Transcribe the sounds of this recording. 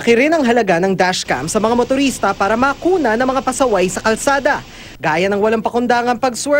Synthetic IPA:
ɐkɪɾɪnɐŋɦɐlɐɡanɐŋd̪aʃka̰mpsɐmɐŋamot̪ʊɾist̪ɐpaːɾɐmɐːkuːnɐnɐŋmɐŋapɐsɐwajsɐkɐlsaːd̪ɐ | ɡaːjɐnɐŋwɐlaŋpɐkʊnd̪aːŋɐnpɐɡswɛ

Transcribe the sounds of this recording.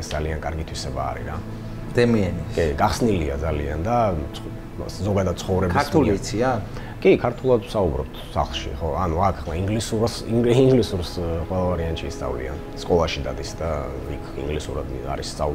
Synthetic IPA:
ɛsd̪zaliankʼaɾɡit̪ʰwisɛba̰ːɾḭɾa | d̪̥ɛmiɛnikʼiɡaχsniliad̪zaliand̪a | zɔɡad̪ad̪̥̚t̪sʰχɔvɾɛbaɾt̪ʰulit̪sʰia | kʼikʰaɾt̪ʰulˠad̪wsaubɾɔp̚t̪ʰsa̰χlˠʃḭχɔanuakʰlaiŋɡlisuɾsiŋɡlisuɾsqʼwɛlˠavaɾiant̪ʃiːst̪sʼa̰vlḭa̰n | skʼɔlˠaʃid̪ad̪isd̪a | ikʰḭŋɡlisuɾad̪ | a̰ɾisʼau

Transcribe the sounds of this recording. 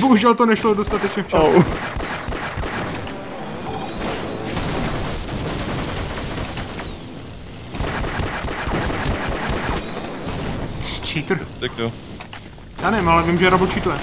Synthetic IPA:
boɦuʒɛlt̪onɛʃlodo̞st̪at̪ɛt͡ʃɲɛft͡ʃa | t͡ʃiːt̪ɾ̩ako | jaːnɛvɪmalɛvɪmʒɛɾablot͡ʃit̪oɛ

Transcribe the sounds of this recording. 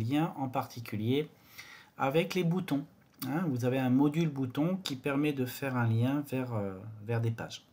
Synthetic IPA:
ljɛ̃ʔɑ̃paʁt̪ʰikʲʰylje | avɛklebut̪ɔ̃ | ɛ̃vuzaveɛ̃mɔd̪ylbut̪ɔ̃kʲipɛʁmɛd̪əfɛʁɛ̃ljɛ̃vɛʁøvɛʁd̪epa̰ːʒ

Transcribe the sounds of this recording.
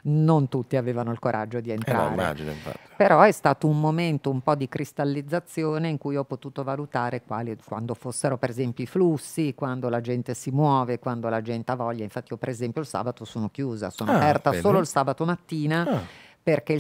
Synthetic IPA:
nont̪ut̪ːiaveːvanoilkoɾʔa̰d͡ʒːod̪ient̪ɾa̰ːɾmea̰d͡ʒino̰ḭɱfa̰t̪ːi̥peɾɔɛst̪aːt̪oumːoment̪oumpɔd̪ikɾist̪alːid̪zːat̪sːjoːneiŋkujɔpːot̪uːt̪ovalut̪aːɾekwaːlikwand̪ofosːeɾopeɾezɛmpjoiflusːikwand̪olad͡ʒɛnt̪esimwɔːvekwand̪olad͡ʒɛnt̪eavɔʎːaiɱfat̪ːiiopeɾezɛmpjoilsa̰ːbat̪osoːnok̟juːza̰soːnoaapɛrt̪assoːloilsaːbat̪omat̪ːiːnaperk̟ei

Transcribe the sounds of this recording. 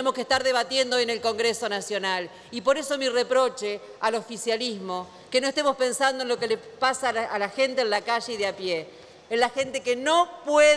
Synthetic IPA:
emoskeht̪aɾðe̞βat̪je̞nd̪ojene̞lko̞ŋɡɾeso̞nasjo̞nal | ipo̞ɾe̞so̞mirepɾo̞t͡ʃe | alo̞fisjalizmo̞ | keno̞est̪emo̞spe̞nsand̪oenlo̞kele | pasaːlaxe̞nt̪eːnlakaʒeiðeapjeː | nlaxe̞nt̪ekenopwe

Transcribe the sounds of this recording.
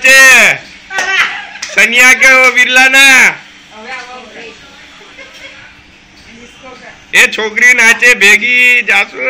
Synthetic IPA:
t͡ʃe | sənɪjaːk̬eoʋiɾlaːna | et͡ʃʰoːkɾinaːt͡ʃebʱeːɡid͡ʒaːsu

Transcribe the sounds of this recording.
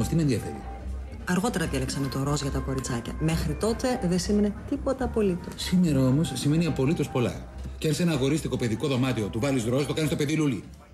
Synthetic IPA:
ɐft̪imenðiɐfe̞̰ɾḭ | ɐɾɣo̞t̪e̞ɾɐðieleksɐnet̪o̞ɾo̞zʝɐt̪ɐko̞ɾit͡sɐcɐ̰me̞xɾit̪o̞t̪e̞ðesime̞ne̞t̪ipo̞t̪ɐːpo̞lit̪osime̞ɾɐo̞mo̞sːime̞niɐpo̞lit̪o̞spo̞lɐ̰ | ceɐnse̞nɐːɣo̞ɾist̪iko̞pe̞ðiko̞ðo̞mɐt̪io̞t̪uvɐlizɾo̞st̪o̞kɐnist̪ope̞ðiluli

